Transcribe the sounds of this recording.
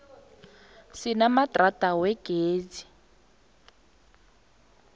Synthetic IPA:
sɪnamatʼratʼawɛɡ̥eːd͡zi̥

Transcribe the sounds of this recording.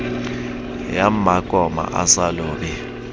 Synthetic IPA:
jam̩makʼɔma̰ʔasaloːɓi

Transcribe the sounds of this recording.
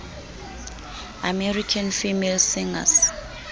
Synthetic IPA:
amɛrikʰanfimelsiŋa̰s

